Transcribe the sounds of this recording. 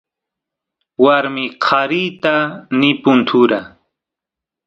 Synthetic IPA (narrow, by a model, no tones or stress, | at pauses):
waɾmɪqʰaɾit̪anɪpʊnt̪ʰuɾa